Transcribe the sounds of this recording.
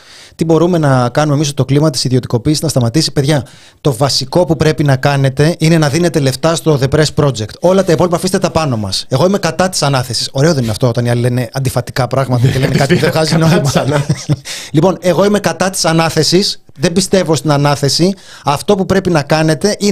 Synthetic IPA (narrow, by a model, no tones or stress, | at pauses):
t̪ibo̞ɾume̞nɐkɐnume̞misot̪o̞klimɐt̪i̥siðio̞t̪iko̞piːsiznɐst̪ɐmɐt̪isi̥pe̞ðʝɐ | t̪o̞vɐsiko̞pupɾe̞pinɐkɐne̞t̪e̞ine̞nɐðine̞t̪e̞le̞ft̪ɐst̪o̞ðe̞pɾespɾo̞d͡ze̞kt̪o̞lɐt̪ɐipo̞lipɐfist̪et̪ɐpɐno̞mɐ̰se̞ɣo̞ime̞kɐt̪ɐt̪i̥sɐnɐθe̞si̥so̞ɾe̞o̞ðeninɐft̪o̞ot̪ɐniɐlilene̞ɐnd̪ifɐt̪i̥kɐpɾɐɣmɐt̪ɐelenekɐt̪iuðexɐzino | lipo̞ne̞ɣo̞ime̞kɐt̪ɐt̪i̥sɐnɐθe̞sis | ðe̞bist̪e̞vo̞st̪inɐnɐθe̞si | ɐft̪o̞pupɾe̞pinɐkɐne̞t̪e̞ʔi